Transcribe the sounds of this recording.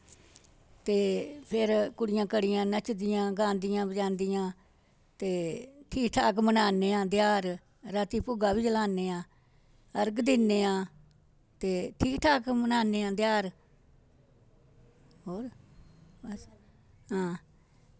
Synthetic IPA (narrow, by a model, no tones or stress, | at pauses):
t̪eːpʰɪɾkʊɽɪjãːkəɽɪjãːnət͡ʃd̪ɪjãːɡãːnd̪ɪjãːbəd͡ʒãːnd̪ɪjãː | t̪eːʈʰiːkʈʰaːkmənaːneːãːd̪ɪjaːɾ | ɾaːt̪iːpʊɡaːbiːd͡ʒəlaːneːãː | əɾɡd̪ɪnːeːãː | t̪eːʈʰiːkʈʰaːkmənaːneːãːd̪ɪjaːɾ | ɦoːɾ | s | ɦãː